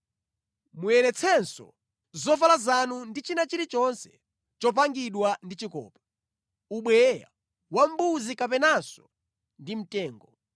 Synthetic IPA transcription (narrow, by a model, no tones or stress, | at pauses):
mujɛɾɛt͡sʰɛnsɔ̰ | zɔfalazanundit͡ʃinat͡ʃiɾit͡ʃɔnsɛ̥ | t͡ʃɔp̬aŋɡiɗwandit͡ʃikɔ̰ːpɛ̥ | uɓwɛja̰ | wam̩buzikapɛnasɔ | ndim̩tɛːŋɡɔ